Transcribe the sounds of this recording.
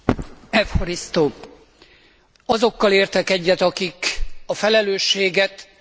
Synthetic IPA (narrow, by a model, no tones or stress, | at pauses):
ɛfhoɾist̪oː | ɒzo̞kːɒleːrt̪ɛkɛɟːɛt̪ɒkikɒfɛlɛløːʃːeːɡɛt̪